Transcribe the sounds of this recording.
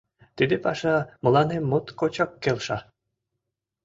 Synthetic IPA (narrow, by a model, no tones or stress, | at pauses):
t̪id̪epɑʃɑmɤ̆lˠɑnemot̪kot͡ɕɑkːelʃɑ